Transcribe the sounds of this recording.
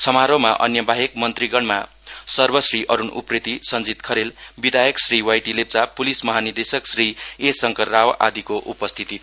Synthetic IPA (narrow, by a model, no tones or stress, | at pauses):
sʰʌmaɾomaʔʌ̰njʌbaɦek̚mʌnt̪riɡʌɳma̰ | sʌrbʌsriʔʌɾunṵprit̪isʌnd͡zit̪kʰʌɾelbid̪ʱajʌksriwajʈilep̚t͡sapulismʌɦanird̪esʌksriesʌŋkʌrrawʔa̰d̪ikoʔupʌst̪ʰit̪i